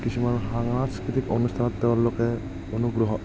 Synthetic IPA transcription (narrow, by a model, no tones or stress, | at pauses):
kisʰimanɦaŋaskɹit̪iko̰nust̪ʰanɔt̪ːɛwaɾlokɛ | onuɡɾɔɦɔ